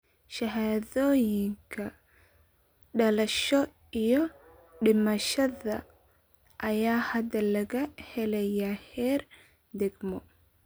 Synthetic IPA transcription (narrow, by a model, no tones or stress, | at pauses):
ʃɐɦaːðɔːjɪŋkʰɐ | ɖɐlɐʃɔ | ijɔ | ɖɪmɐʃɐðɐ | ʔɐjaːhɐd̪ɐlɐɣɐhɛlɛjahɛːr | d̪ɛɡmɔ